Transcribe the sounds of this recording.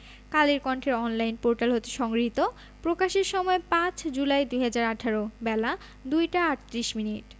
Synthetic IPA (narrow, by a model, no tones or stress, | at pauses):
kaliɾkɔɳʈʰeɾɔnlajnpoɾʈalɦot̪eʃɔŋɡɾɦit̪o | pɾokaʃeɾʃɔmɔepãt͡ɕd͡ʑulajd̪ujɦad͡ʑaɾaʈʰaɾobɛla | d̪ujʈaaɾt̪ɾiʃminiʈ